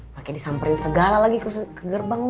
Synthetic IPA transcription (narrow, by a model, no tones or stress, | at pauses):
pakajdisampaɪŋsəɡalalaɡikuskəɡərbaŋ